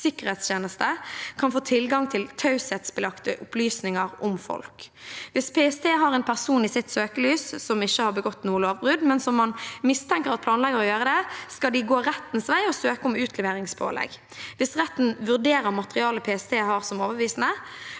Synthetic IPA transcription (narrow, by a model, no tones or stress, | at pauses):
sɪkəʁhɛːt̪sçeːnəst̪əkʰɑnfoːt̪ʰɪlɡɑŋt̪ʰɪlt̪ʰɑʉshɛt̪sbəlɑkt̪əʔʊplyːsnɪŋəʁʊmfɔ̰lkʋɪspʰɛːɛst̪ʰeːɦɑʁɛːnpʰæʁsuːniːsɪt̪søːkəlyːssɔmɪçːəhɑʁbəɡɔt̪ːnuːəloːʋbʁʉd̪mɛnsɔmːɑnmɪst̪ʰɛŋkəʁɑt̪̚pʰlɑːnlɛɡəɾʁɔjøːʁəd̪ɛskɑld̪ɪɡoːɾɛt̪ːn̩sʋæɪɔsøːkəʊmʉːt̪ʰlɛʋeːʁɪŋspʰo̰ːlɛ̰ɡ | ʋɪsʁɛt̪ːn̩ʋʉʁd̪eːɾəʁmɑt̪əʁɪɑːləpʰeːɛst̪ʰeːhɑːʁsɔmoːʋəbʋiːsn̩ə